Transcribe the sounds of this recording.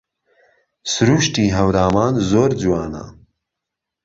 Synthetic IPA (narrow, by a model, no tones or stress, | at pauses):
sɨɾuːʃtiːɦɐwɾaːmaːnzoːɾd͡zuwaːnɐ̰